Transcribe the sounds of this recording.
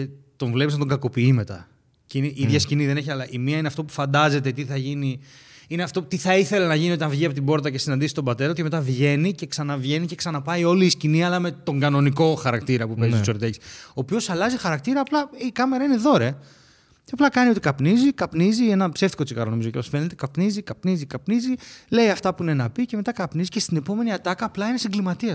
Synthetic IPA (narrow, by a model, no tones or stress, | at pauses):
et̪o̞ɱvlepisnɐt̪oŋɡɐko̞piime̞t̪ɐ̰ | ceineʔiðʝɐsciniðe̞neç̬iɐlɐʔimiɐineɐft̪opu̥fɐnd̪ɐze̞t̪et̪iθɐʝiniineɐft̪o̞t̪iθɐiθe̞lɐnɐʝiniot̪inɐvʝiɐpo̞t̪ibo̞ɾt̪ɐce̞sinɐnd̪isist̪o̞bɐt̪e̞ɾoceme̞t̪ɐvʝe̞nice̞ksɐnɐvʝe̞nice̞ksɐnɐpɐio̞liːsciniɐlɐme̞t̪o̞ŋɡɐno̞niko̞xɐɾɐkt̪iɾɐpupezioso̞ɾt̪eci̥so̞ːpio̞sɐlɐzixɐɾɐk̚t̪iɾɐːplɐikɐme̞ɾɐine̞ðo̞ɾe̞ | ceɐplɐkɐnio̞t̪ikɐpnizikɐpnizie̞nɐpseft̪i̥ko̞t͡sikɐ̰ɾonoizo̞cepɐsfe̞net̪ekɐpnizikɐpnizikɐpnizile̞jɐft̪ɐpuine̞nɐpice̞me̞t̪ɐkɐpnizice̞st̪ine̞po̞me̞niɐt̪ɐkɐːplɐine̞siŋɡlimɐt̪iɐ